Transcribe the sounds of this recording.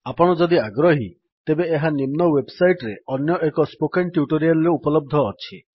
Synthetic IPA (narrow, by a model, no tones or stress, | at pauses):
apɔɽ̃ɔd͡ʒɔd̪iaɡɾɔɦi | t̪ebeːɦanimnɔwebsajʈɾeɔnjɔʔekɔspokeɳʈjuʈoɾijalɾeupɔlɔb̚d̪ʱɔːt͡ʃʰi